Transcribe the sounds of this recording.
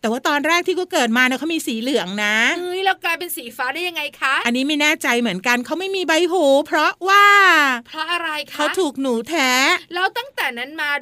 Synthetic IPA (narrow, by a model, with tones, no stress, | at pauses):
t̪ɛː˨˩waː˥˩t̪ɔː˧nɾɛː˥˩k̚t̪ʰiː˥˩kɔː˦˥˩kɤː˨˩t̪̚maː˧nɛ˦˥kʰa˦˥miː˧siː˩˦lɯ˨˩˦əŋna˦˥ɯ˦˥jlɛː˦˥˩wklaː˧jpe˧nsiː˩˦faː˦˥da˥˩ja˧ŋa˧jkʰa˦˥ʔa˧nːiː˦˥ma˥˩jnɛː˥˩t͡ɕa˧jmɯ˩˦ənka˧nkʰa˦˥wma˥˩jmiː˧ba˧jɦuː˨˩˦pʰɾɔ˦˥waː˥˩pʰɾɔ˦˥ʔa˧ɾa˧jkʰkʰa˦˥wt̪ʰuː˨˩k̚nuː˩˦t̪ʰɛː˦˥lɛː˦˥wt̪a˥˩ŋt̪ɛː˨˩na˦˥nmaː˧